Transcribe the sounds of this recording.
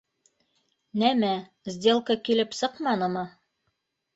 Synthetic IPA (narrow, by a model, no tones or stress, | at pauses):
næmæ | zʲd̪ʲe̞lˠkəkilɘpsɤqmɑnɤmɤ